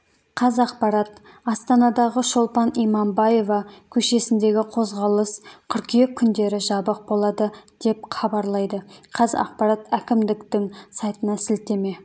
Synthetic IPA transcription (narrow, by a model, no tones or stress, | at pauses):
qʰɑzɑqpɑɾɑt̪ | ɑst̪ɑnɑd̪ɑʁəʃolˠpɑnijmɑmbɑje̞vɑkʲʰɵʃe̞sɪnd̪e̞ɡʲɪqʰo̞zʁɑlˠəskʲʰʏɾkʲijekʲʰːʏnd̪e̞ɾɪʒɑbəq̚bolˠɑd̪əd̪̥e̞p̚χɑbɑɾlˠɑjd̪əqʰɑzɑ̰qpɑɾɑt̪ækʲɪmd̪ɪkt̪ɪŋsɑjt̪ənɑsɪlt̪e̞me̞